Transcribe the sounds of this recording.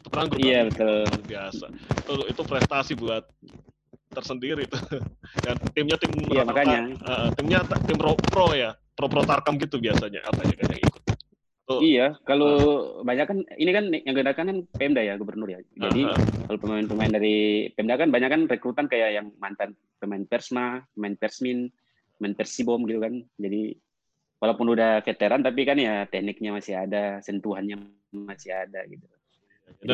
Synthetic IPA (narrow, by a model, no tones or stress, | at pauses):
it̪u̥pənaŋɡʊijabət̪ʊlbiasa̰it̪uit̪upɾɛst̪asibuat̪̚ː | ərsəndiɾit̪ukant̪ɪmɲat̪ɪmijamakaɲaəʔət̪ɪmɲat̪ɪmɾopɾoja | pɾopɾot̪arkamɡit̪ubiasaɲa̰ʔa̰paja̰ka̰nja̰ŋḭkʊ̥t̪̚ | t̪uijakalobaɲakːaninikanjaŋɡəndakankanpɛmdajaɡubərnʊrjad͡ʒadikalopəmaɪnpəmaɪndaɾipɛmdakanbaɲakːanrekɾut̪ankajajaŋmant̪an | pəmaɪnpɛrsmapəmaɪnpɛrsmin | pəmaɪnpɛrsibɔmɡit̪ukand͡ʒadi | walapʊnudahfet̪eɾant̪ap̬ikanjat̪ɛhnɪk̚ɲamasiɦadasɛnt̪uɦanɲa | masiadaɡit̪u